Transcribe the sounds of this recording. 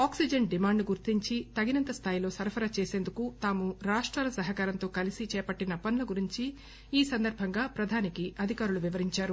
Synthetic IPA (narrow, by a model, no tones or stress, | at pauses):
aːksid͡ʒɐɳɖimaːɳɖɡuɾt̪iɲt͡ʃit̪ɐɡinɐnt̪ɐst̪ʰaːjilo̞ːsɐɾpʰɐɾat͡ʃeːseːnd̪ukut̪aːmuɾaːʂʈɾaːlɐsɐɦɐkaːɾɐnt̪o̞ːkɐlisit͡ʃɛːpɐʈːinɐpɐnlɐɡuɾiɲt͡ʃi | iːsɐnd̪ɐɾbʱɐŋɡaːpɾɐd̪ʱaːnikiʔɐd̪ʱikaːɾuluʋiʋɐɾiɲt͡ʃaːɾu